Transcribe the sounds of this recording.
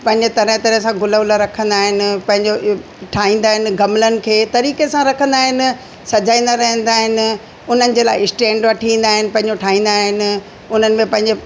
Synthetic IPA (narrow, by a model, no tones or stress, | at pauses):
pɐ̃ɦɪ̃ɲd͡ʑet̪ɐɾəɦt̪ɐɾəɦsãɡʊləʊləɾɐkʰə̃nd̪aːɦɪnɪ̆pɐ̃ɦɪ̃ɲd͡ʑo | ʈʰaːɦĩːn̆d̪aːɦɪnɪ̆ɡɐmlənɪ̆kʰeːt̪ɐɾiːkesãɾɐkʰə̃nd̪aːɦɪnɪ̆ | sɐd͡ʑaːĩːn̆d̪aɾɐɦə̃nd̪aːɦɪnɪ̆ | ʊn̤ənɪ̆d͡ʑeːlaːɪɪsʈẽːɳɖʋɐʈʰĩːnd̪aːɦɪnɪ̆pɐ̃ɦɪ̃ɲd͡ʑoʈʰaːɦĩːn̆d̪aːɦɪnɪ̆ | ʊn̤ənɪ̆mẽpɐ̃ɦɪ̃ɲd͡ʑe